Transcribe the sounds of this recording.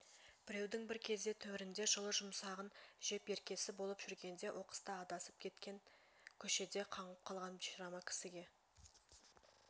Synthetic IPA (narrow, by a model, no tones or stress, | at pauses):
b̥ɪɾe̞wd̪ɪŋbɪɾkʲʰe̞zd̪e̞t̪ʰɵwɪɾɪnd̪e̞ʒəlˠəʒʊmsɑʁənʒe̞pe̞ɾkʲe̞sɪbo̞lˠəpʒ̥ʏɾɡʲe̞nd̪e̞wʔo̞qə̥st̪ɑːd̪ɑsəp̚kʲʰe̞t̪kʲe̞ŋ | kʲʰɵʃe̞d̪e̞qʰɑɴəp̚qʰɑlˠʁɑnbiʃɾɑmɑkʲʰɪ̥sɪɡʲe̞